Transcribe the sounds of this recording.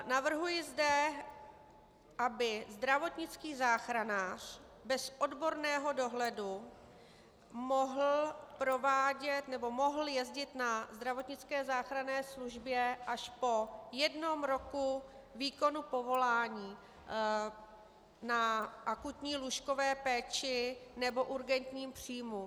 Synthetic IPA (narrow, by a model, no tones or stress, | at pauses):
navr̩ɦujɪzdɛ | ʔabɪzd̪ɾavo̞t̪ɲɪt͡skiːzaːxɾanaːr̝̥ | bɛsʔo̞dbo̞ɾnɛːɦo̞do̞ɦlɛdu | mo̞ɦl̩pɾo̞vaːɟɛt̪nɛbo̞mo̞ɦl̩jɛzɟɪt̪nazd̪ɾavo̞t̪ɲɪt͡skɛːzaːxɾanɛːsluʒbjɛʔaʃpo̞jɛdno̞mɾo̞ku | viːko̞nupo̞vo̞laːɲiː | naʔakut̪ɲiːluʃko̞vɛːpɛːt͡ʃɪnɛbo̞ʔuɾɡɛnt̪ɲiːmpr̥iːjmu